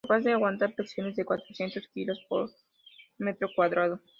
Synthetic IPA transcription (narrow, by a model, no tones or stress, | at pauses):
apazðeaɣwant̪aɾpɾeksjo̞ne̞zðe̞kwat̪ɾosje̞nt̪oskilo̞spo̰ɾ | met̪ɾo̞kwaðɾaðo